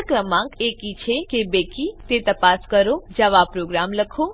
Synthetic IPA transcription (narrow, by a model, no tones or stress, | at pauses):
kɾəmãŋkekit͡ʃʰekebekit̪et̪əpaskəɾod͡ʒəʋapɾoɡɾamləkʰo